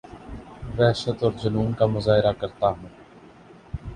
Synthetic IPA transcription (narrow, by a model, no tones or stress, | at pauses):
ʋɛːʃət̪ɔːɾd͡ʒənuːmkaːmʊzaːɦɪɾakəɾt̪aːɦũː